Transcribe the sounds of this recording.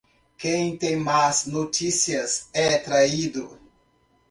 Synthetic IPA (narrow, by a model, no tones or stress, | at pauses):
kẽj̃t̪ẽj̃maznot͡ʃisiɐzɛat̪ɾaid̪ʊ